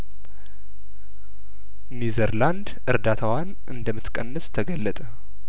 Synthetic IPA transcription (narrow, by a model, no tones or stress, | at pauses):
nizəɾland̪ʔɨɾd̪at̪ʰawan | ʔɨnd̪əmːɨt̪kʼənːəst̪ʰəɡəlːət̪ʼə